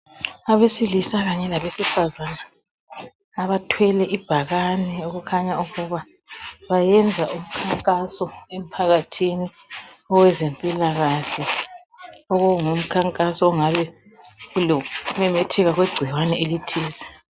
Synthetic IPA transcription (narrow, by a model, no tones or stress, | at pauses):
aβesilisaɣaɲɛlaβesifazana | βatʰwɛlɛʔib̥ʱaɣanɛuɣukʰaɲauɣuβa | βajɛnd͡zʱaʔum̩kʰaŋkʼasɔem̩pʰaɣatʰini | ɔwɛzempʼilaɣaɬɛ | ɔɣuŋum̩kʰaŋkʼasɔɔŋaβɛ | ulɔmɛmɛtʰɛɣaɣwɛɡ͡ǀʱiwanɛelitʰiːsɛ